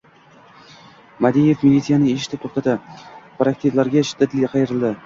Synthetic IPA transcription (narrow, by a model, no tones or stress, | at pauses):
mad̪ije̞fmilʲit̪sijanɪeʃɪ̥t̪ʰɪp̚t̪ʰɾt̪ɑt̪ɪpɾakt̪evlaɾɡʲaʃɪ̥d̪ːat̪lʲɪqʰɑjɪɾɪld̪ɪ